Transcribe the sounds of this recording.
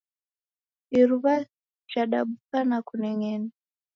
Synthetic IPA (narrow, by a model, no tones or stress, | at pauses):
iɾuβa | t͡ʃaɗaɓukanakunɛŋɛni